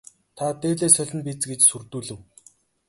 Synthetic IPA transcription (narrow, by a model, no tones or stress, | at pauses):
t̪ʰat̪eːɮeːsœɮʲɪ̆npit͡sɡet͡ɕsurt̪uːɮɘ̆w